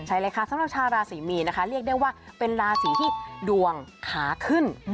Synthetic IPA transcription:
t͡ɕʰa˦˥jɾaː˧jkʰaː˧˩sa˨˦mɾa˧˩p̚t͡ɕʰaː˧ɾaː˧siː˩˦miː˧na˦˥kʰa˦˥ɾi˥˩ək̚da˥˩jwaː˥˩pe˧nɾaː˧siː˩˦t̪ʰiː˥˩du˧əŋkʰaː˩˦kʰɯ˥˩n

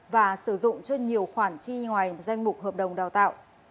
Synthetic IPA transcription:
vaː˨˩sɨ˧˩zʊ̰˧˨ŋ͡mt͡ɕɔ˧ɲi˨˩əwxwaː˧˩nt͡ɕi˧ŋwaː˨˩jza˧jŋ̟mʊ˨˩k͡p̚ɦəː˨˩p̚ɗə˨˩wŋ͡mɗaː˨˩wt̪a̰ː˧˨wʔ

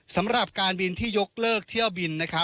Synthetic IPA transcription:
sa˩˦mɾa˨˩p̚kaː˧nbi˧nt̪ʰiː˥˩jo˦˥k̚lɤː˥˩k̚t̪ʰi˥˩əwbi˧nːa˦˥kʰa˦˥

